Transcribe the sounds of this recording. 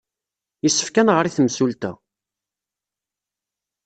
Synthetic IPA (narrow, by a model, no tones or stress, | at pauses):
isːə̥fkænʁəɾiθəmsult̪æ̰